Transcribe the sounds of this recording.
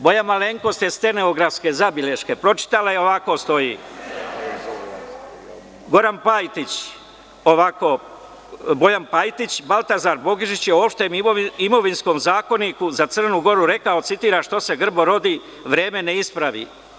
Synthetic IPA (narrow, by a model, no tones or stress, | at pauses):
bo̞janmale̞ŋko̞st̪est̪e̞ne̞oɡɾafske̞zabile̞ʃke̞pɾo̞t͡ʃi̥t̪alajeo̞ʋako̞ːst̪o̞jiː | ɡo̞ɾanpajt̪it͡ɕ | oʋako | bo̞janpajt̪it͡ɕbalˠt̪azaːɾbo̞ɡiʒit͡ɕjeoːpʃt̪e̞mimo̞ʋinsko̞ːmzaːko̞nikuzat̪sər̩nuːɡo̞ɾuɾe̞kaot̪sit̪iːɾaʃt̪o̞se̞ɡr̩bo̞ɾo̞d̪iː | ʋɾe̞ːme̞ne̞ispɾaʋḭ